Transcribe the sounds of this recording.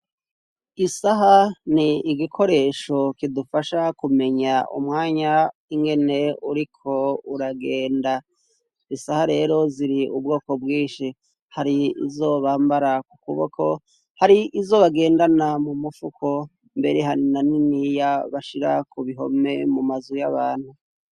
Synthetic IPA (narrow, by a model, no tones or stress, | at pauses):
isaɦaniiɡikʰo̞ɾe̞ːʃo̞kidufaʃakume̞ɲaʔṵmŋaːɲaiŋɡe̞ne̞uɾikʰo̞uɾaɡeːnda | isahaɾe̞ːɾo̞ziɾiub̚ɡo̞ːko̞bɡiːʃi | haɾiḭzo̞βaːmbaɾaku̥kuβokʰo | haɾiʔizo̞ːβaɡe̞ːndanamumufukʰo̞ | mbe̞ɾeɦaninaninijaβaʃiɾa̰kuβiɦo̞̰me̞mumazujaβaːnhu